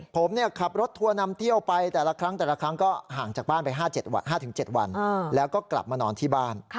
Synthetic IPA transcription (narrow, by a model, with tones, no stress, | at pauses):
pʰo˩˦mni˥˩ɐkʰa˨˩p̚ɾo˦˥t̪ʰːu˧ɐna˧mt̪ʰi˥˩əwpa˧jt̪ɛː˨˩la˧kʰɾa˦˥ŋt̪ɛː˨˩la˧kʰɾa˦˥ŋkɔː˥˩ɦaː˨˩ŋt͡ɕaː˨˩k̚baː˥˩npa˧jɦaː˥˩t͡ɕe˨˩t̪̚wa̰˧nɦaː˥˩t̪ʰɯ˩˦ŋt͡ɕe˨˩t̪̚wa̰˧n˧lɛː˦˥wkɔː˥˩kla̰˨˩p̚maː˧nɔː˧nt̪ʰiː˥˩baː˥˩n